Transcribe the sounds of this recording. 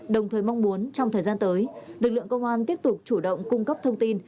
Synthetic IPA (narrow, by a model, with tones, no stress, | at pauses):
ɗə˨˩wŋ͡mt̪ʰəː˨˩jma˧wŋ͡mmu˨˦ənt͡ɕɔ˧wŋ͡mt̪ʰəː˨˩jzaː˧nt̪əː˨˦jlɨ˨˩k̚lɨ̰˧˨əŋkə˧wŋ͡mʔaː˧nt̪i˦˥əp̚t̪ʊ˨˩k͡p̚t͡ɕu˧˩ɗə̰˧˨wŋ͡mkʊ˧ŋ͡mkə˦˥p̚t̪ʰə˧wŋ͡mt̪i˧n